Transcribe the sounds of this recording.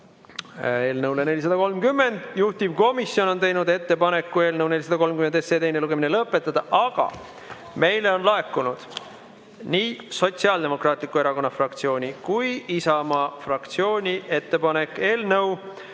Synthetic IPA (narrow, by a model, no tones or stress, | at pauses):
e̞ːlnɤwlene̞lʲis̬ɑd̪ɑko̞lmkymːe̞nd̪̥juht̪ivko̞misjo̞no̞nt̪e̞jnud̪e̞t̪ːe̞pɑne̞kːue̞ːlnɤwne̞lʲis̬ɑd̪ɑko̞lmkymenesed̪ejneluɡ̥e̞minelɤpːˑe̞t̪ːˑɑd̪̥ɑʔɑɡ̥ɑ̰ | me̞jle̞o̞nlɑe̞kːˑunud̪̥ | niːso̞t̪siɑld̪e̞mo̞krɑːt̪ˑlikːˑue̞ɾɑko̞nːɑfrɑkt̪sio̞ːnʲikujisɑmɑfrɑkt̪sio̞ːnʲiʔe̞t̪ːe̞pɑne̞kˑːe̞ːlnɤw